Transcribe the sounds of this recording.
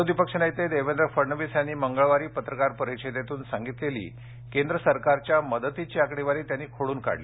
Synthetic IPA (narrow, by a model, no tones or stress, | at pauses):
od̪ʋipəkʂənəjt̪ed̪eʋend̪ɾəfəɾɳəʋisjanːiːməŋɡəɭʋaɾiːpət̪ɾəkaɾpəɾit͡ɕid̪et̪uːnsaŋɡit̪lelḭː | kend̪ɾəsəɾkaɾt͡ɕjaməd̪ət̪it͡ɕiakɽiʋaɾiːt̪janːiːkʰoɽuːnka̰ɽlḭ